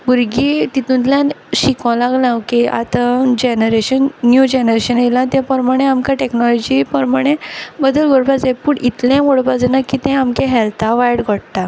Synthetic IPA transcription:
buɾɡit̪it̪ũnt̪ljanɕikɔ̃laɡlãwkeʔa̰t̪ãd͡ʑenəɾeɕənːjud͡ʑenəɾeɕənelãt̪ɛ̃pəɾmaɽ̃eamkaʈeknɔlɔd͡ʑipəɾmaɽ̃ebəd̪əlɡɔɽpad͡zẽpuɳit̪lãmoɽpad͡zenakit̪ɛ̃amkeɦɛlt̪ʰaʋajɽɡʱəɽt̪a

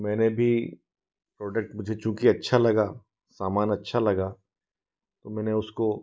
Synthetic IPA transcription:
mɛ̃ːnebʱi | pɾɔːɖek̚ʈmʊd͡ʒʱet͡ʃũːkiɐtːʃʰalɐɡa | saːmaːnɐtːʃʰalɐɡaː | t̪omɛ̃ːneʊsko

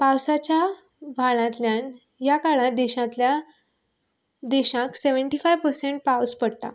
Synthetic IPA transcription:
pawsat͡ɕja | ʋʱaɭãt̪ljãn | jakaɭãd̪iɕãt̪lja | d̪iɕãkseʋəɳʈifajʋpəɾseɳʈ̚pawspəɽt̪a̰

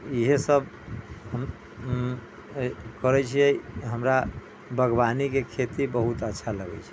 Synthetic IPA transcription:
iɦesəbʱ | ɦəm | kəɾɛt͡ʃʰijɛɦəmɾa | bʱəɡbanikekʰet̪ibəɦut̪ətːʃʰaləɡɛ̰t͡ʃʰɛ̥

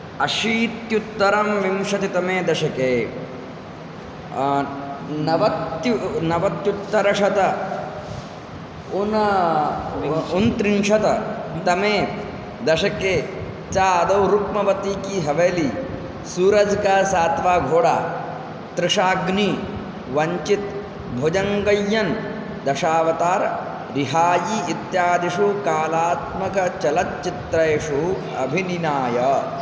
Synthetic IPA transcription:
ɐʃiːt̪jut̪ːɐɾɐmʋimʃɐt̪it̪ɐmeːd̪ɐʃɐkeː | nɐʋɐt̪junɐʋɐt̪jut̪ːɐɾɐʂɐt̪ɐ | un | unt̪ɾimʃɐt̪ɐt̪ɐmeː | d̪ɐʃɐkeː | t͡ʃaːɐd̪ɐwɾukmɐʋɐt̪iːkiɦɐʋɐjli | suːɾɐd͡ʒkasaːt̪ʋaːɡʱoːɽaː | t̪ɾɪʂaːɡni | ʋɐɲt͡ʃit̪̚ | bʱod͡ʒɐŋɡɐjːɐn | d̪ɐʃaːʋɐt̪aːɾ | ɾiɦaːjiːt̪jaːd̪iʂukaːlaːt̪̚mɐkɐt͡ʃɐlɐt̪t͡ʃit̪ɾɐjʂu | ɐ̰bʱininaːjɐ

